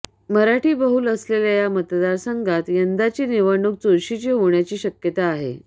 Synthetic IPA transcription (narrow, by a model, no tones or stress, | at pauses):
məɾaʈiːbəɦuːləsleljajamət̪d̪aɾsəŋɡʱat̪jənd̪at͡ɕiːniʋəɳuk̚t͡soɾɕit͡ɕiːɦoɳjat͡ɕiːɕəkjət̪aːɦḛ